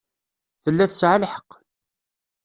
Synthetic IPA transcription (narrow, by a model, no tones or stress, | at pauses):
θəlːæθəsʕalħə̥qː